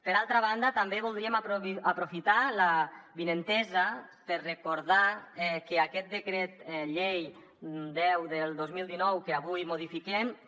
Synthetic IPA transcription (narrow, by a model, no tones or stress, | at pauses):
pəɾalˠt̪ɾaβ̞and̪at̪ambeβulˠd̪ɾiəmapapɾofit̪alaβinent̪ɛzapəɾrekoɾðaɛkeakɛt̪̚d̪ekɾɛt̪ʎej | d̪ɛwðəlˠd̪ozmilˠd̪inɔwkeaβujmoð̞ifikɛm